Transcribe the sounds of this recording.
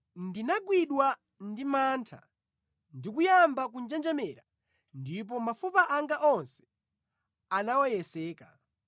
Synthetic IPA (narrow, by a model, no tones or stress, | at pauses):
ndinaɡwiɗwa | ndimaːntʰa̰ | ndikujambak̬und͡ʒɛnd͡ʒɛmɛːɾa | ndip̬ɔmafupaʔaŋɡaʔɔnsɛ̥ | anawɔjɛsɛːka